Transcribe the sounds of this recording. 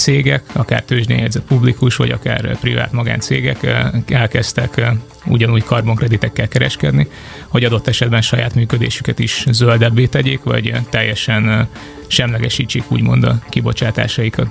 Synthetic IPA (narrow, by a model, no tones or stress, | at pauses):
t̪seːɡɛkɒka̰ːrt̪øːʒd̪ḛːɲjɛɟ̪ʲzɛt̪publikuʃʋɒ̰ɟɒ̰ka̰ːrpriva̰ːt̪mɒɡa̰ːnt̪seːɡɛkɛlkɛst̪ɛk | ṵɟɒnuːɟkʰɒrboŋkrɛd̪it̪ɛkːɛlkɛɾɛʃkɛd̪ni | ho̞ɟɒd̪o̞t̪ːɛʃɛd̪bɛnʃɒjaːt̪myːkød̪ḛːʃykɛt̪iʃzøld̪ɛbːeːt̪ɛɟeːkʋɒ̰ɟt̪ɛjːɛʃɛn | ʃɛmlɛɡɛʃiːt͡ʃːeːkṵːɟmo̞̰nd̪ɒkibo̞t͡ʃaːt̪a̰ːʃɒjikɒt̪